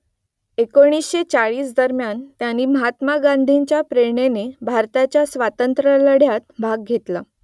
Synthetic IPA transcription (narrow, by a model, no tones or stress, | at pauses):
ekoɽ̃isɕet͡saɭiːsd̪əɾmjant̪janːiːməɦat̪maɡand̪ʱeɲt͡ɕjapɾeɾɳenebʱaɾt̪at͡ɕjasʋat̪ənt̪ɾələɽ̤jat̪̚bʱaɡ̚ɡʱet̪la